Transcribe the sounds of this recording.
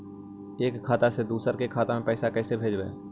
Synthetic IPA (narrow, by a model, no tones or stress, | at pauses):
eːkʰːaːt̪ased̪uːsəɾkekʰaːt̪amẽpɛːsakɛːsebʱeːd͡ʒbḛː